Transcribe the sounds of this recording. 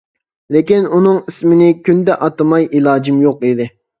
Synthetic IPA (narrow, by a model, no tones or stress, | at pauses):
lɪkʲinunɨŋismɪnɪkʲynd̪ɛʔɑt̪ɨmɑjilˠɑːd͡ʒimjoqid̪ɪ